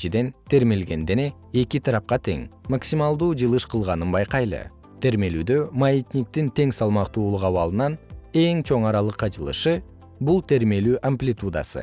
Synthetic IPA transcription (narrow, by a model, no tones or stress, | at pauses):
t͡ʃid̪e̞nt̪ʰe̞ɾme̞lɡe̞nd̪ene̞ | ekit̪ʰɑɾɑp̚qɑt̪ʰe̞̰ŋmaksʲimɑlˠd̪uːd͡ʒɯlˠɯʃqʰɯlˠʁɑnɯnbɑjqɑjlˠɯ̰ | t̪ʰe̞ɾme̞lyːd̪ømait̪nʲik̚t̪int̪ʰe̞ŋsɑlˠmɑqt̪uːlˠuqɑβɑlˠɯnɑne̞ŋt͡ʃʰo̞ɴɑɾɑlˠɯqːɑd͡ʒɯlˠɯ̰ʃɯ | bulˠt̪ʰe̞ɾme̞lyːʔamplʲit̪ud̪a̰sɯ̰